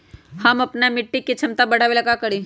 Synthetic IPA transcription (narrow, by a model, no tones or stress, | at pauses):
hɐmɐpnamɪʈːikːet͡ʃʰɐmt̪abɐɽ̤aʋelɐɡakɐɽi